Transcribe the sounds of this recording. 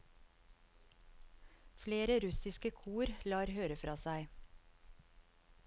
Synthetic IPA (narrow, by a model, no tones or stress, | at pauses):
fleːɾəɾʉsɪskəkʰuːɾlɑːɾhøːɾəfɾʔɑːsæɪ